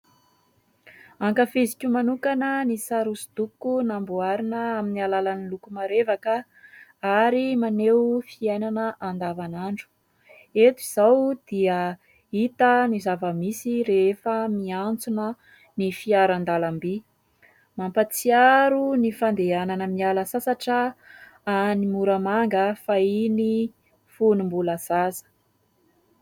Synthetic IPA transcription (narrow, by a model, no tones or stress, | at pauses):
aŋkafizikʲumanukanənisaɾusud̪̥ukːunambuaɾinəaminialalanilukumaɾevakə | aɾimanewfiajnanəʔand̪avanaɳɖ͡ʐu̥ | et̪iz̥awd̪̥iə | it̪ənizavəmisiɾefəmiant͡sunə | nifiaɾand̪alambi | mampat͡siaɾunifand̪eananəmialəsasaʈ͡ʂə | animuɾəmaŋɡəfaini | funumbuləz̥azə̥